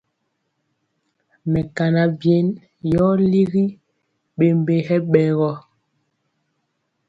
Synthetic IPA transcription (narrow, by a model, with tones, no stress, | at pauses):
mɛ˨ka˨na˨bje˦n | jɔ˦li˦ɣi˦ | ɓe˨m˦be˨hɛ˦ɓɛ˨ɣɔ˦